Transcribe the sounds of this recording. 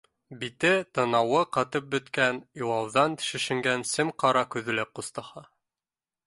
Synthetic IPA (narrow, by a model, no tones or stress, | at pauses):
bit̪ɘt̪ɤ̆nɑwɤqɑt̪ɤp̚bɵ̆t̪kænjuwˠɑwðɑnt̪ʃɘ̆ʃɘ̆ŋɡænsɘmqɑɾɑkʉðɘ̆læp̚qust̪ɑhɑ